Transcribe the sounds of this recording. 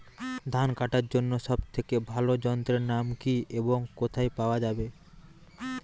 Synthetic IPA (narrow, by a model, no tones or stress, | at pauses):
d̪ʱankaʈaɾd͡ʑonːoʃɔbt̪ʰekebʱalod͡ʑɔnt̪ɾeɾnamkiʔeboŋkot̪ʰajpaoad͡ʑabe